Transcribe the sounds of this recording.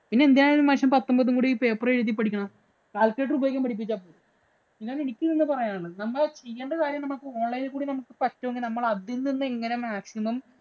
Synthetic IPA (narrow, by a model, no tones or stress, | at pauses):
pinːe̞end̪ijaːjiɾumɐnɕɐmpɐt̪ːɐmbɐðuŋɡuːɽipeːpːrɐɾiðːip̬ːɐɽikʲːɐɳɐm | kaːlkeːʈubeːkʲːɐmpɐʈip̬ːit͡ɕːaːpːoːlu | inːaːlenikʲːumninːɨpɐrɐjaːɳɨnɐmːɐt͡ɕe̞jːeːɳɖɐkaːɾjɐmnɐmukːɨoːɳːɐjilkuːɽinɐmukːɨ̥pɐtːoŋɡinɐmːɐɭɐðinnːinːɨe̞ŋːɐne̞maːksimɐm